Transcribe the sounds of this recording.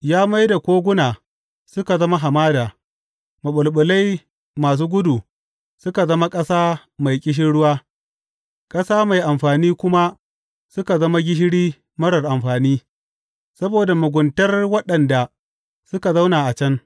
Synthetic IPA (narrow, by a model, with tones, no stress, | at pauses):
jaː˦ma˦jda˨kʷoː˦ɡʷʊ˦naː˨ | sʊ˦ka˨zɐ˦ma˦ɦa˨maː˦daː˨ | ma˨ɓʊ˨lɓʊ˨la˦j | maː˨s̬uː˦ɡʷʊ˦du˨ | sʊ˦ka˨zɐ˦ma˦kʼɐ˦saː˦ | ma˨jkʲʼɪ˦ʃ̬ɪ˦nɽʊ˦waː˦ | kʼɐ˦saː˦ma˨jʔa˨mɸaː˨niː˦kʷʊ˦ma˦ | sʊ˦ka˨zɐ˦ma˦ɡʲɪ˦ʃ̬ɪ˦ɽiː˦ | mɐ˦ɽɐ˨rʔa˨mɸaː˨niː˦ | sɐ˦boː˨da˨mʊ˨ɡʷʊ˨ntɐ˦rwɐ˦ɗɐ˨nda˨ | sʊ˦ka˨za˦wna˨ʔa˨t͡ʃɐ˦ŋ